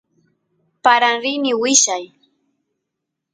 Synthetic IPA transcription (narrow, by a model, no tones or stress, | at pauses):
paɾaŋɾɪnɪwɪʃaj